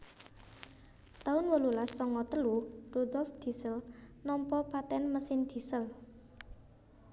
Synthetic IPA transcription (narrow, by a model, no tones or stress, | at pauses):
t̪aʊnwəlulasɔŋɔt̪əlurud̪ɔlfd̪̥i̤səlnɔmpɔpat̪ɛnməsɪnd̪̥i̤səl